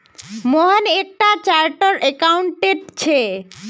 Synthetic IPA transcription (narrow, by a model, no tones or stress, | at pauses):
moɦanek̚ʈat͡ɕaɾʈoɾekawɳʈeʈ̚t͡ɕʰe